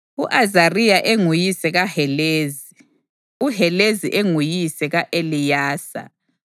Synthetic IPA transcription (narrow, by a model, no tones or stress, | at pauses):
uʔazarijaʔeŋujisɛɣahɛleːzi | uhɛleziʔeŋujisɛɣaʔelijaːsa̰